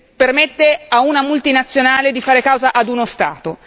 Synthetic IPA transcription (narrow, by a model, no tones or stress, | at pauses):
permet̪ːeaunamult̪inat̪sːjonaːled̪ifaːɾekawzaʔad̪unost̪a̰ːt̪o